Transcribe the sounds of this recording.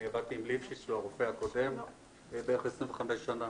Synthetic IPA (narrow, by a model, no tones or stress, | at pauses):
eʁat̪iːmlifʃisuaʁofeakodem | ebeχesʁĩmveχamesʃana